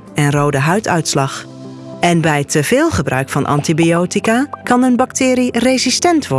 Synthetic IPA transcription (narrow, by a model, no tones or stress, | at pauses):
ɛnroːdəɦœɥtʰœ̰ɥtslɑx | ɛnbɛjtʰəv̥ɪːlˠχəbrœ̰ɥkfɑnʔɑ̰ntibioːtikakɑnənbɑktʰɪːɾirezistɛntʋɔ